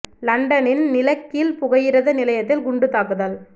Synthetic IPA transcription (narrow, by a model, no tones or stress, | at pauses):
lɐɳɖɐnɪnnɪlɐkːilpʊɣɐjɪɾɐðɐnɪlɐjɐt̪ːɪlɡʊɳɖɯt̪ːaːkɯðaːl